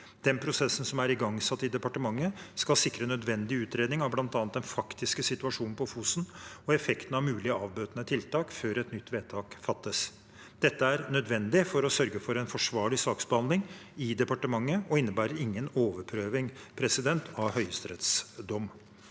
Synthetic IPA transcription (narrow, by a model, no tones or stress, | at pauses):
d̪̥ɛnpʰɾʊsɛsːən̩sɔmæɾɪɡɑŋsɑt̪ːɪd̪ɛpɑʈəmɑŋːəskɑlsɪkːɾənœd̪ʋɛnd̪ɪʉːt̪ɾeːd̪nɪŋɑʋblɑnt̪ɑːnt̪d̪ɛnfɑkt̪ɪskəsɪt̪ʉɑʂuːnn̩pʰɔfuːsnɔɛfɛkt̪ənɑʋmʉːlɪəɑːʋbøːt̪nət̪ʰɪlt̪ɑːkføːɾɛt̪nʏt̪ːʋeːt̪ʰɑːkfɑt̪ːəs | d̪̥ɛt̪ːəæɾnœd̪ʋɛnd̪ɪfɔɾɔsœɾɡəfɔɾɛɪnfɔʂʋɑːɭɪsɑːksbəhɑnd̪lɪŋɪd̪ɛpɑʈəmɑŋːəɔɪnːəbæːɾəɾɪŋːənoːʋəɾpʰɾøːʋɪŋpʰɾɛsɪd̪ɛnt̪ʰɑʋhœʏəst̪ɾɛ̰t̪sd̪ɔmː